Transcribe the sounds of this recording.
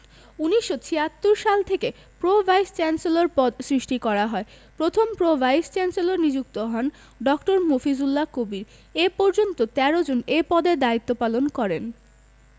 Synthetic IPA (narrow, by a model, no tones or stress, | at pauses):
uniʃːot͡ɕʰiat̪ːuɾʃalt̪ʰeke | pɾobʱajst͡ɕɛnseloɾpɔd̪sɾiʃʈikɔɾaɦɔe | pɾot̪ʰompɾobʱajst͡ɕɛnseloɾnid͡ʑuk̚t̪oɦɔn | ɖɔkʈoɾmofizulːakobiɾ | epɔɾd͡ʑont̪ot̪ɛɾod͡ʑonepɔd̪eɾd̪ait̪ːopalonkɔɾen